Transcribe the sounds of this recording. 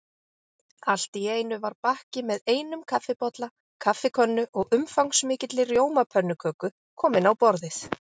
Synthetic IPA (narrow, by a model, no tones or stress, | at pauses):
al̥t̪ieːjnʏvaɾpahcɪmɛðeːjnʏmkʰafːɪpɔt̪la | kʰafɪkʰœnːʏʔɔɣʏmfawŋsmɪːcɪt̪lɪrjoːwmapʰœnːʏkʰœːkʏ | kʰɔːmɪnawpɔɾðɪθ